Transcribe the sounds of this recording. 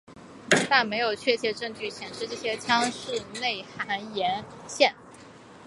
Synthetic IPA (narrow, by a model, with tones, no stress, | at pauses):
t̪a˥˩nme˧˥ɪjo˨˩ʊt͡ɕʰɥɛ˥˧˩t͡ɕjɛ˥ʈ͡ʂɤ˥˧ŋt͡ɕy˥˩ɕjɛ˨˩nʂɻ̩˥˧ʈ͡ʂɤ˥˩ɕjɛ˥t͡ɕʰjɑ˥ŋʂɻ̩˥˧ne˥˩ɪxa˧˥njɛ˧˥n | ɕjɛ˥˩n